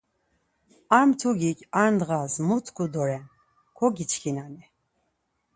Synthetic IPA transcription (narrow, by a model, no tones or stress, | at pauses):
amt̪ʰuɡikʲʰaɾnd̪ʁasmut̪ʰkʰud̪ɔɾɛn | kʰɔɡit͡ʃʰkʰinanɛ